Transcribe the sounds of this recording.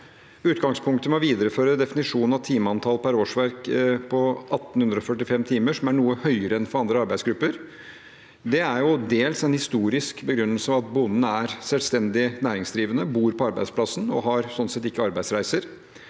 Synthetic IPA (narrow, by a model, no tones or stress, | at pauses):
ʉːt̪ɡɑŋspʰʊŋk̚t̪əmɛɔʋiːd̪əɾəføːɾəd̪ɛfɪnɪʂuːnn̩ɑʋt̪ʰiːməɑnt̪ʰɑlpʰæɾoːʂʋæɾkpʰɔʔɑt̪ːn̩hʉnd̪ɾɔfœʈːɪfɛmt̪ʰiːməʂɔmæɳuːəhœʏəɾəɛnfɔɾɑnd̪ɾəɑɾbæɪsɡɾʉpːəɾ | d̪ɛæɾjʊd̪eːlsɛnhɪst̪uːɾɪskbəɡɾʉnːəlsəɑʋɑt̪̚bʊnːn̩æɾsɛlst̪ɛnd̪ɪnæːɾɪŋsd̪ɾiːʋənəbuːɾpɔɑɾbæɪd̪spʰlɑsnɔ̰ɦɑɾsɔnsɛt̪ɪkːəɑɾbæɪsɾæɪsəɾ